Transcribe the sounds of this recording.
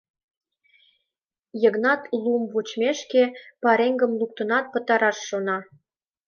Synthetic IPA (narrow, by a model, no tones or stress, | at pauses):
jə̆ɣnɑt̪lumvut͡ɕmeʃkepɑɾeŋɡə̆mluk̚t̪ə̆nɑt̪̚pə̆t̪ɑɾɑʃːonɑ